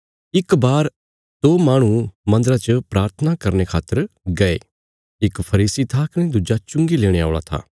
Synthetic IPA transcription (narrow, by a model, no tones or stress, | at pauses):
ɪkbaːɾ | t̪oːmaːɽ̃ũmɐ̃nd̪əɾat͡ʃəpɾaːɾt̪ʰənakɐɾnekʰaːt̪ːəɾɡɐḛː | ɪkpʰɐɾiːsit̪ʰaːkɽ̃ed̪ʊd͡ʒat͡ʃʊ̃ŋɡileːɽ̃ea̰ːɭa̰t̪ʰa̰ː